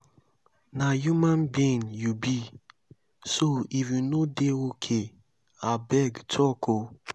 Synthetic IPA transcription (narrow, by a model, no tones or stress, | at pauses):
najumãnbĩnjubi | soifjunodeokʰe | abɛɡtʰɔkʰo